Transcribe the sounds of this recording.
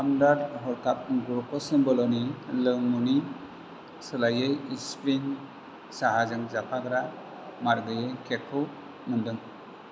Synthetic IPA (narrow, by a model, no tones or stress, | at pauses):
amdaɾɦɔɾkʰap̚ɡuɾkʰɔsembɔlɔnilɯŋmuni | sɯlajejispin | saɦazɯŋzakʰaɡɾa | maɾɡɯjekʰekʰɯw | mɯndɯŋ